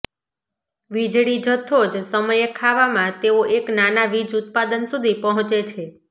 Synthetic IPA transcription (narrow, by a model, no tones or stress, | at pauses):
ʋid͡ʒɽid͡ʒʱət̪ʰːod͡ʒsəməjekʰaʋamãt̪eoʔeknanaʋid͡ʒut̪̚pad̪ənsud̪ʱipəɦɔ̃t͡ʃet͡ʃʰe